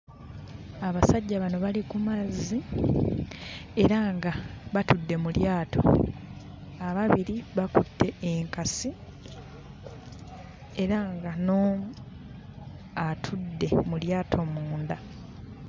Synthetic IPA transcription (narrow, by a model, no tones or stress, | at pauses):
aβasaɟːaβano̞βalikumazːi | e̞ɾaŋɡaβatudːe̞muljaːto̞̰ | aβaβiɾiβakutːe̞eŋkasi | e̞ɾaŋɡano | atʰudːe̞muljaːtʰo̞muːnda